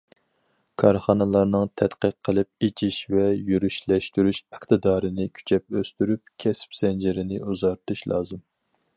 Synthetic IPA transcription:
kʰɑɾχɑnɨlˠɑɾnɨŋt̪ʰɛt̪qəqʰːəlˠɨp̚et͡ʃʰiʃvɛjyɾyʃlɛʃt̪yɾyʃæχt̪ɨd̪ɑːɾɨnɪkʲʰy̥t͡ʃʰɛp̚øst̪yɾyp̚kʲʰɛspsɛnd͡ʒɪɾɪnɪʔuzɑɾt̪ɨʃlˠɑ̰ːzɨm

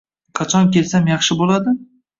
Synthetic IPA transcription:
qʰɑt͡ʃʰɒnkʲe̞lsamjɑχʃɪbolad̪ɪ

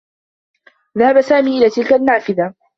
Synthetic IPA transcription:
ðahabasaːmiːʔɪlaːt̪ɪlkanːaːfɪða

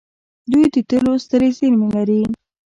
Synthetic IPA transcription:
d̪ujd̪ət̪əlost̪əɾezəɾmelaɾi

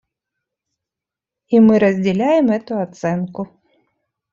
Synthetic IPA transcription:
imɨɾɐzʲd͡zʲɛlʲajɛmɛt̪ʊat̪sɛnkʊ

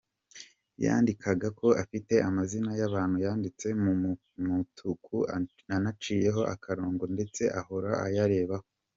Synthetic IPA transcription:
ja̰ːndikʰaɡako̞ʔafite̞ʔamazinajaβaːn̥hujaːndit͡se̞mu | mutʰukʰu | anat͡ʃiːje̞ɦo̞ʔakʰaɾoːŋɡonde̞t͡se̞ʔaho̞ɾaʔa̰jaɾe̞ːβaho

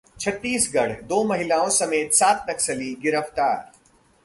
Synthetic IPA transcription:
t͡ʃʰɐt̪ːiːsɡɐɽ̤d̪oːmɐɦɪlaːõsɐmeːt̪saːt̪ʰnɐksəliɡɪɾəft̪aːɾ

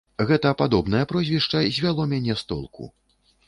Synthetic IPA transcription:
ɣɛt̪ɐpad̪ɔbn̪ɐjɐpɾɔzʲvʲiʂt͡ʂɐzʲvʲalˠɔmʲanʲɛst̪ɔ̰lˠkʰṵ

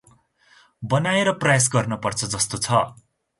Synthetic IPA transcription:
bʌnaeɾʌprʌjas̬ɡʌrnʌpʌrt͡sʰʌd͡zʌst̪ot͡sʰʌ

